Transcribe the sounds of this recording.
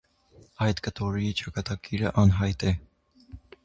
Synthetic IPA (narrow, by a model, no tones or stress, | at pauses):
ɑjt̪kət̪ʰɔɾit͡ʃɑkɑt̪ɑɡiɾə̰ʔɑnɦɑjt̪ɛ